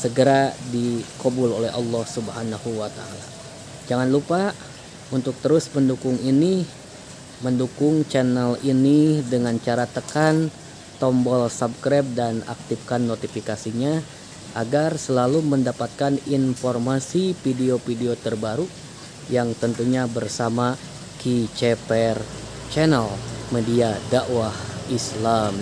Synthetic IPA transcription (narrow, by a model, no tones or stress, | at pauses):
səɡəɾadikobʊlolɛɦɑlːɔhsubəɦanahuwat̪a̰a̰la | d͡ʒaŋanlupa | unt̪ʊk̚t̪əɾʊsməndukʊŋini | məndukʊŋt͡ʃɛnɛlinidəŋant͡ʃaɾat̪əkan | t̪ɔmbɔlsab̚kɾɛp̚dana̰k̚t̪ifkanːot̪ifikasiɲa | ʔaɡarsəlaluməndapat̪̚kaninformasifideopideot̪ərbaɾu | jaŋt̪ənt̪uɲabərsama | kit͡ʃɛpɛr | t͡ʃɛnɛlmədiadaʔwahislam